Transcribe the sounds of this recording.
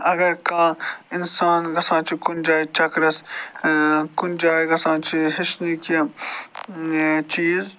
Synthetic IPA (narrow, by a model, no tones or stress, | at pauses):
ɐɡɐɾkãːɪnsaːnɣɐsãːt͡ʃʰikʊnd͡ʒaːjt͡ʃɐkɾɐs | kʊnd͡ʒaːiɣɐsãːt͡ʃʰiɦɪʃnike | t͡ʃiːz